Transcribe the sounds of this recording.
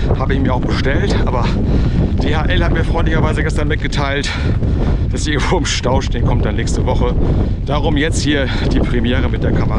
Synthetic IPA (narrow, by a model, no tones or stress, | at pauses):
haːbəɪçmiːɐaʊb̥əʃtɛltʔa̰ːbɐ | d̥eːhaːʔɛlhatmiːɐfʁ̥ɔʏntlɪçɐvaɪzəɡɛstɐnmɪt̚ɡ̥ətʰaɪlt | d̥asʔɪɐɡŋ̩tv̥oːʊmʃtaʊʃteːnkʰɔmtd̥anːɛːçstəvɔχə | d̥aːʁʊmjɛt͡sthiːɐ | d̥iːpʁ̥ɛmjɛːʁ̞əmɪt̚d̥eːɐkʰaməʁ